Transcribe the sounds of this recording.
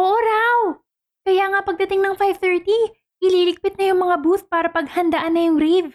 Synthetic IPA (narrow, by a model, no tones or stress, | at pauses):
ʔʔoʔoɾaw | kɐjaːŋɐpɐɡ̚d̪ɐt̪ɪŋnɐŋfajvt̪ɛɹt̪i | ʔɪliːlɪk̚pɪt̪̚nɐjʊŋmɐŋabuθpaːɾɐpɐɡ̚hɐnd̪ɐʔanːɐjʊŋɾiv